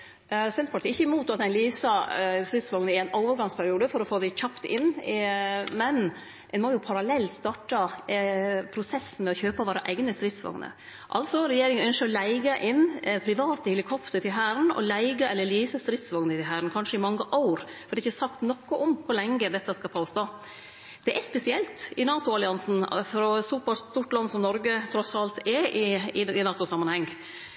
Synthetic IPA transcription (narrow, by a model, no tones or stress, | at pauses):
sɛnt̪pʰɑʈ̪ʰiːɪçːəɪmuːt̪ɑt̪̚æɪnliːsɑst̪ɾɪt̪sʋɑŋnəɪɾæɪnoʊʋəɾɡɑŋspʰæɾɪuːd̪əfɔɾɔfoːd̪æɪçɑpt̪ɪ̰nɪmɛn | ɛnmojʊpʰɑɾɑlɛlt̪st̪ɑːʈɑ | pʰɾʊsɛsːn̩mɛɔçøːpəʋɑːɾɑʔæɪɡnəst̪ɾɪt̪sʋɑ̰ŋnə̰ | ʔɑ̰lsɔɾɛjeːɾɪŋənœnʃəɔlæɪɡəʔɪnpʰɾɪʋɑːt̪əhɛlɪkʰɔpt̪əʈɪlɦæːɾnɔ̰læɪɡɑɛlːəɭiːsəst̪ɾɪt̪sʋɑŋnət̪ɪɦæɾənkʰɑnʂəɪmɑŋːəʔɑʊɾfɔɾd̪ɛɪçːəsɑkt̪nɔkːɔʔɔmkʰʊɾɭɛŋɡəd̪ɛt̪ːɑskɑpʰoːst̪oː | d̪̥ɛʔɛspɛsɪɛlt̪ɪnɑːt̪ʊɑlɪɑnsn̩fɾɔsuːbɑlst̪uːʈlɑnːsɔmnɔɾɡət̪ʰɾɔsɑlt̪ɛʔɪɪɪnɑːt̪ʊsɑmːɑnhɛŋː